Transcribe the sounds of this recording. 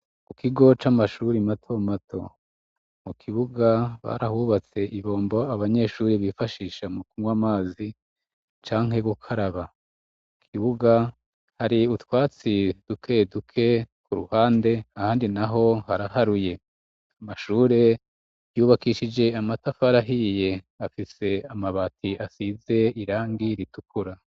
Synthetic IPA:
kukiɡo̞t͡ʃamaʃuːɾimatʰo̞matʰo̞̰ | mukʰiβuɡaβa̰ɾahuβat͡se̞ʔiβo̞ːmbo̞aβaɲe̞ʃuːɾiβifaʃiːʃamukumwaːmaːzi | t͡ʃaːŋhe̞βukʰaɾaβa | mukʰiβuɡa | haɾiutwaːt͡sid̥ukʰe̞dukʰe̞kuɾuhaːnde̞ahaːndinaɦo̞haɾahaɾuje̞ | amaʃuːɾe̞ | juːβakiːʃid͡ʒe̞amatafaɾaɦije̞ | afise̞amaβatʰiʔasize̞iɾaːŋɡiɾitukʰuɾa

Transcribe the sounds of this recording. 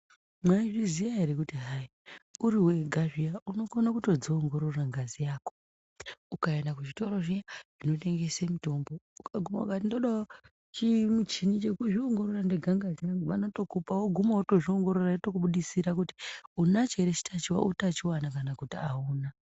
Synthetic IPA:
mwaiʐizijaeɾikutiɦai | uɾiwe̞ɡʱaʐijauno̞konakuto̞d͡zoːŋɡo̞ɾo̞raŋɡazijaːko̥ | ukae̞ndakuʐito̞ɾoʐijaʐ̥ino̞te̞ŋɡe̞semito̞mbo̞ukaɡʱuma̰ṵkatindo̞ɗao | t͡ʃimut͡ʃinit͡ʃekuʐioŋɡo̞ɾorandeɡʱaŋɡazijaʋanoto̞kupawoɡʱumawoto̞ʐioŋɡo̞ɾoratokuɓuɗisiɾakuti̥unat͡ʃe̞ɾet͡ʃi̥tʰat͡ʃiwa̰ʔutat͡ʃiwanakanakutiauːna

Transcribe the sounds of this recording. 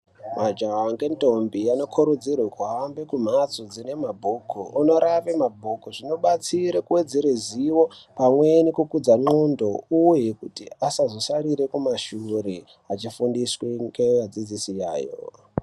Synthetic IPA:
mad͡ʒawaŋɡentombijano̞kʰoɾud͡zirwekuɦambekum̤at͡sod͡zine̞mabʱukʰuʔuno̞ɾaʋe̞mabʱukuʐino̞ɓat͡siɾekuwe̞d͡zeɾeziwo̞pamwenikukud͡zaŋ͡ǃondo̞uje̞kutiasazo̞saɾiɾe̞kumaʃure | at͡ʃifundisweŋɡejad͡zid͡zisija̰ːjo̰

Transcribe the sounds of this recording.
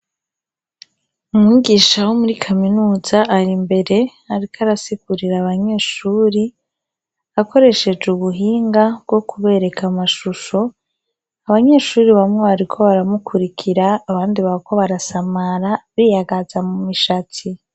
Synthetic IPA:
umŋiːɡiːʃawomuɾikʰaminuːzaʔːɾimbe̞ɾe̞ | aɾikʰaɾasiɡuɾiɾaːβaɲe̞ːʃuːɾi | ako̞ɾe̞ʃe̞d͡ʒuβuɦiːŋɡab̚ɡo̞kʰuβe̞ːɾe̞kʰamaʃuʃo̞ | aβaɲe̞ːʃuːɾiβamŋeβaɾikʰo̞βaɾamukʰuɾikʰiɾaːβaːndiβako̞βaɾasamaɾaβijaɡazamumiʃatʰi

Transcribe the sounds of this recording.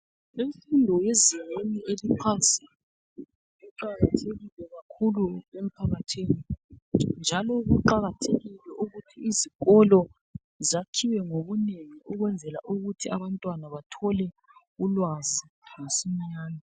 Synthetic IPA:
iɱfindʱɔjeziŋ͡ǀiniʔelipʰansi | uǃaɣatʰeɣilɛɣakʰuluem̩pʰaɣatʰini | nd͡ʒʱalɔɣuǃaɣatʰeɣilɛʔuɣutʰiːziɣɔlɔ | zakʰiwɛŋoβuneŋiʔuɣwɛnd͡zʱɛla̰ʔuɣutʰiaβantʼwanaβatʰɔlɛ | ulwazi | ŋasiɲɲaːni

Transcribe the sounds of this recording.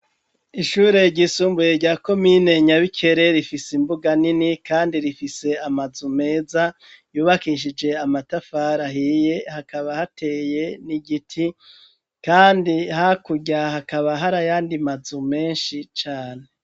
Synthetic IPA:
iʃuːɾe̞ɟisuːmbuje̞ɾɟaːko̞mine̞ɲaβikʰe̞ɾe̞ɾifisimbuɡaninikaːndiɾifise̞amazume̞ːza | juːβakiːʃ̬id͡ʒe̞amatafaɾaɦiːje̞hakʰaβahatʰe̞je̞niɡitʰi | kaːndihakuɟahakaβaɦaɾajaːndimazume̞ːnʃit͡ʃaːne̞

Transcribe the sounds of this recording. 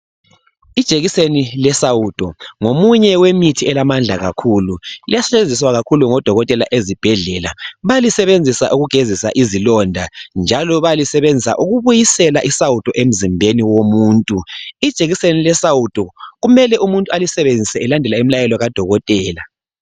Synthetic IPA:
id̥ʒ̥ʱeɣisenilɛsawutʼɔŋomuɲɛwemitʰiɛlamand͡ɮʱaɣa̰kʰululḭjasɛt͡ʃend͡zʱis̬waɣakʰuluŋɔd̥ʱɔɣɔtʼɛla̰ʔezib̥ʱɛɮɛla̰βajlisɛβend͡zʱisa̰ʔuɣuɡ̥ʱezisa̰ʔizilɔndʱand͡ʒʱalɔβajalisɛβend͡zʱisa̰ʔuɣuβujisɛlaʔisawutʼɔʔem̩zimbʱeniwomuːntʼuid̥ʒ̥ʱeɣisenilɛsawutʼɔɣumɛlɛʔumuntʼualisɛβend͡zʱisɛɛlandʱɛlaim̩ilajɛlɔɣad̥ʱɔɣɔtʼɛːla

